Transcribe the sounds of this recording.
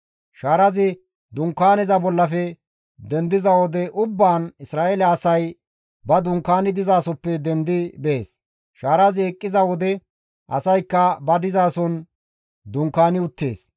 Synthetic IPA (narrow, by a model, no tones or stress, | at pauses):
ʃaːɾɐzɪ | d̪ʊŋkːaːnɛzɐbɔlːɐfɛ | d̪ɛnd̪ɪzɐwɔd̪ɛʔʊbːaːnɪsɾaːʔɛlɛɐsɐj | bɐd̪ʊŋkːaːnɪd̪ɪzaːsɔpːɛd̪ɛnd̪ɪbeːs | ʃaːɾɐzɪɛkʼːɪzɐwɔd̪ɛ | ʔɐ̰sɐjkːɐbɐd̪ɪzaːsɔn | d̪ʊŋkːaːnɪʊt̪ːe̞̰ːs